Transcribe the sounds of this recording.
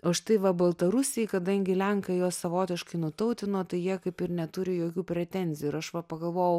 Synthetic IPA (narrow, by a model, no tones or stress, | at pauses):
oʃt̪ɐɪʋɐbɐlˠt̪ɐɾʊsʲɪjkɐd̪ɐŋʲɡʲɪlʲɛŋkɐjoːssɐʋoːt̪ʲɪʃkɐɪnʊt̪ɐʊt̪ʲɪnoːt̪ɐɪjiɛkɐɪpɪɾnʲɛt̪ʊɾʲɪjoːkʲuːpʲɾʲɛt̪ʲɛnʲzʲɪjuːɪɾɐʃʋɐpɐɡɐlˠʋoːjɛʊ